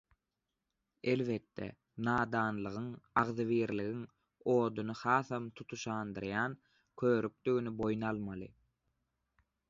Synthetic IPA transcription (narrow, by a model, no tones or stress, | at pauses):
elβet̪ːḛ | nɑːd̪ɑːnlˠɯʁɯŋɑʁðɯβiːɾliɣiŋ | o̞ːd̪unɯhɑːθhɑmt̪ʰut̪ʰuʃɑːnd̪ɯɾjɑːn | kʰøːɾyk̚d̪yɣynybo̞junɑlˠmɑlˠɯ